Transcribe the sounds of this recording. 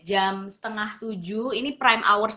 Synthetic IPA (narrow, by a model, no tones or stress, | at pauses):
d͡ʒamsə̥t̪əŋaht̪ud͡ʒuinipɾajmʔa̰wərs